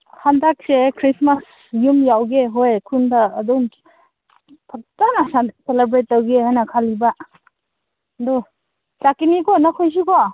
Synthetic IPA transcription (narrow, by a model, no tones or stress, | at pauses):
handak̚sekʰɾismas | jumjawɡeɦojkʰundaːdom | pʰak̚tanasanselebɾet̚ːɐwɡehajnɐkʰalibɐ | do | t͡ʃakinikɔnɐkʰojs̬ikɔ